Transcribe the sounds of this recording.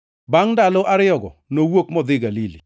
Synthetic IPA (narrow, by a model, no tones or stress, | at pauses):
baŋdalɔʔaɾɪɔɡɔ̰nowokmɔd̪ɪɡalilḭ